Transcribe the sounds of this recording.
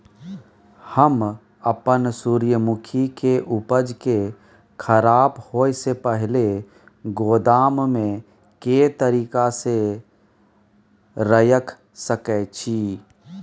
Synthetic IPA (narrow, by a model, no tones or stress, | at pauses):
həm | əpənsuːɾjəmʊkʰikeʔupəd͡ʒke | kʰəɾaːbhoːjsepəɦle | ɡoːd̪aːmmẽ | ket̪əɾiːkase | ɾəjəkʰ | səkɛt͡ʃʰiː